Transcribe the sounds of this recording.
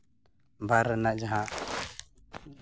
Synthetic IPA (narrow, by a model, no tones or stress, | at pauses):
bʱaɾːɛnaʔd͡ʒaɦaʔ